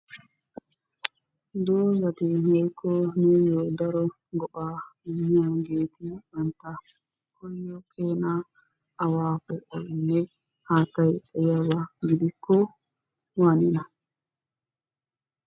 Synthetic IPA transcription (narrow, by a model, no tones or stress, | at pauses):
d̪oːzɐt̪ɪhɔjkʰːɔnɛjoːd̪ɐɾɔ | ɡɔʔaːɪmːɪjaɡe̞ːt̪ɪwɐnt̪a | kɔjːɔkʰeːnaː | waːpːɛʔɔjnːɛ | haːt̪ːɐjɛjabɐɡɪd̪ɪkʰːɔ | waːnɪnɐ